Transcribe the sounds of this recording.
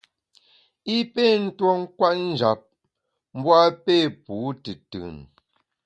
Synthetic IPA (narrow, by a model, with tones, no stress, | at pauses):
i˦pe˦˨n̩˦two˦ŋ̩˦kwa˦t̚n̩˦d͡ʒa˨p̚ | m̩˦bwa˦pe˦˨puː˨˦tɨ˨tɯ̰˨n